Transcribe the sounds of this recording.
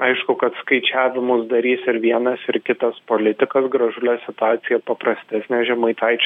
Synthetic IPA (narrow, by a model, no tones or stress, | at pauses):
ɐɪʃkʊkɐt̪skɐɪt͡ʃʲæːʋʲɪmʊsd̪ɐɾʲiːsɪɾʋʲiɛnɐsɪɾkʲɪt̪ɐspoːlʲɪt̪ʲɪkɐsɡɾɐʒʊlʲɛsʲɪt̪ʊɑːt̪sʲɪjɛpɐprɐsʲt̪ʲæsʲnʲɛʒʲɛmɐɪt̪ɐɪt͡ʃʲ